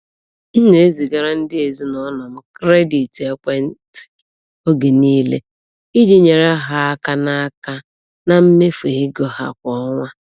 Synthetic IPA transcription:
n̩˦ne˨e˦zi˨ɡa˨ɾa˦n̩˦dɪ˦e˨zi˦nɔ˦nɔ˨m̩˦kɾe˦di˨te˦kʷe˦n̩˦tɪ̥˨ | o˦ɡe˨niː˦lḛ˦ | i˦d͡ʒi˦ɲe˨ɾa˦ɦa˨a˦ka˦na˦a˦ka˦ | na˨m̩˦me˦fe˨ɣɪ˦ɡɔ˦ha̰˨kʷɔ˦ɔ˦ŋʷa˦

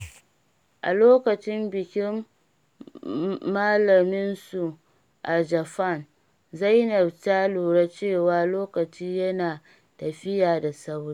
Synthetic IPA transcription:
ʔa̰˨loː˦kɐ˨t͡ʃɪ˦mbɪ˨kʲɪ˦m | aː˦lɐ˨mɪ˦nsu˨ | ʔa˨d͡ʒɐ˨ɸa˦˨n | zɐ˦jnɐ˨btaː˦luː˨ɽa˦t͡ʃeː˦˨waː˦loː˦kɐ˨t͡ʃiː˦jɐ˦naː˨ | tɐ˨ɸɪ˦jaː˨da˨sa˦wɽi˦

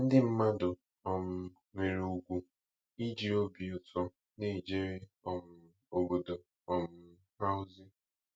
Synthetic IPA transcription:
n̩˦dɪ˦m̩˦ma˦dʊ˨ | ɔ˨mʊ˨ | ŋʷe˨ɾu˦˨ɡʷu˦ | i˦d͡ʒi˨o˦bi˨ʊ˨tʰɔ˦ | ni˦˨d͡ʒe˦ɾi˦ɔ˨m̩˨ | o˨ɡo˨do˨ | ɔ˨m̩˦ | ɦa˦ʊ˦zi˦

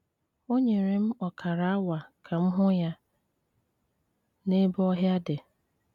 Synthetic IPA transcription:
o˦ɲe˨ɾe˨m̩˦ɔ˨kʰa˨ɾa˨a˦wa˨kʰa˨m̩˦ɦʊ˦ja˦ | ne˦bɔ˦ɦja˦de˨

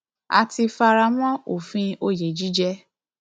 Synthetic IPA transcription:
a̰˧ti˧fa˧ɾa˧˦mɔ̃˦o˨fĩ˧o˧˦˨je˨d͡ʒi˨˦d͡ʒɛ˦

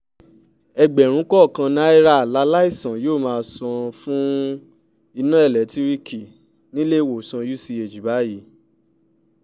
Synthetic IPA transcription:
ɛ˧ɡ͡bɛ˨ɾ̃ũ˨˦kɔ˦˨kã˧na˦i˦ɾa˦a˨la˨˦la˦i˦˨sã˨joː˦˨mãː˧sɔ̃˧fũ˦ | i˧nã˦ɛ˦˨lɛ˨˦tʰi˦ɾi˦ki˨ | nĩ˦le˦˨wo˨sɔ̃˧ju˦si˧e˨d͡ʒi˨ba˨˦ji˨˦

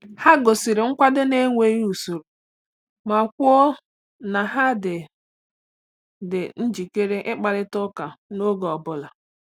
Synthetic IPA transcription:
ha˦ɡo˨si˨ɾɪ˨ŋ̩˦kʷa˦dɪ˦ne˦ŋʷe˦ju˨so˨ɾu˨ | ma˨kʷɔ˦ | na˨ɦa˦dɪ˨ | dɪ˨n̩˦d͡ʒi˨ke˦ɾe˦ʔɪ˦k͡pa˨ɾɪ˦tʊ˦ka˨no˦ɡɔ˨bʊ˦la˨

